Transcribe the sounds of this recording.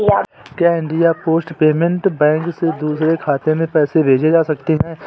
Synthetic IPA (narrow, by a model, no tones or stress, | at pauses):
a | kɛːɪ̃ɳɖijapoːsʈpeːmẽɳʈbɛ̃ːŋksed̪uːsɾekʰaːt̪emẽpɛːsebʱeːd͡ʒed͡ʒaːsɐkt̪iɦɛ̃ː